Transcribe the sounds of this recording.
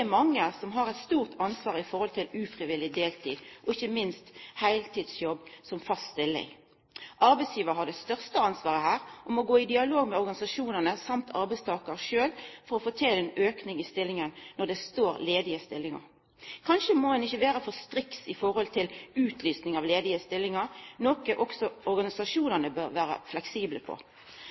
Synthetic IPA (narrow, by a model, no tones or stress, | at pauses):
ɛmɑŋːəsɔmɦɑɾɛɪt̪st̪uːʁt̪ʰɑnsʋɑːʁəɪfɔʁhɔlt̪ʰɪlʉːfʁɪʋɪlɪd̪eːlt̪ʰḭːd̪ʔɔɪçːəmɪnst̪hæɪlt̪iːd̪sjɔbːsɔmfɑst̪t̪ɪlːɪ̰ŋ | ʔɑɾbɛɪsjiːʋəʁɦɑd̪ɛst̪œʁst̪əɑnsʋɑːʁəhæːɾʔɔmɔɡoːɪd̪ɪɑloːɡmɛɔɾɡɑnɪsɑʂuːnənəsɑmt̪ʰɑɾbæɪst̪ʰɑːkəɾʃøːlfɔɾɔfoːt̪ʰɪlɛnøːknɪŋɪst̪ɪlːɪŋənnɔd̪ɛst̪oːɾleːd̪ɪəst̪ɪlːɪŋɑ̰ɾ | kʰɑnʃəmodɛnɪçːəʋeːɾəfɔst̪ɾɪksɪfɔɾhɔlt̪ʰɪlʉːt̪ʰlyːsnɪŋɑʋleːd̪ɪəst̪ɪlːɪŋɑɾnɔːkəʔɔksɔɔɾɡɑnɪsɑʃuːnənəbœɾʋæːɾə̰flɛksiːbləpʰɔ̰